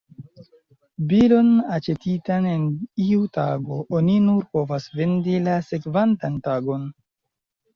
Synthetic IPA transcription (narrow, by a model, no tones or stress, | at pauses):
bilo̞nat͡ʃe̞titane̞niutaɡo̞ʔoninuɾpo̞vasve̞ndilase̞kvantantaɡo̞n